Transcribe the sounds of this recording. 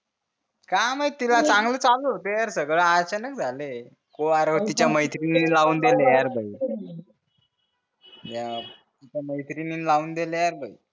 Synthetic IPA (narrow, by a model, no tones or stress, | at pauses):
kamət̪ilat͡sãŋɡləːt͡salot̪ejaɾsəɡɭəaɾt͡ɕənək̚d͡zʱale | koaɾət̪it͡ɕjaməjt̪ʰɾiniilauːnd̪elejaɾbʱəi | ja | t̪it͡ɕaməjt̪ɾininlauːnd̪elejaɾbʱai